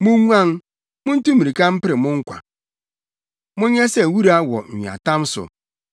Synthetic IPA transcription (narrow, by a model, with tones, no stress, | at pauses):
mʊ̃˦ŋʷa˦ŋ˦ | mʊ̃˦n̩˦tu˦mi˨ɾi˨ka˦m̩˦pɪ˦ɾɪ˨mʊ̃˦ŋ̩˦kʷa̰˨ | mʊ̃˦ɲɛ˦sɛ˦˨wu˦ɾa˦wɔ̰˨ɲi˨a̰˨ta˦m̩˦sʊ̰˨